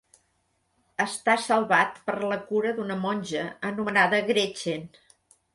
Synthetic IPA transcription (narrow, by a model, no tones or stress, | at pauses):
əst̪asəlˠβat̪pəɾləkuɾəðunəmɔnʲʒəənumənaðəɣɾet͡ʃen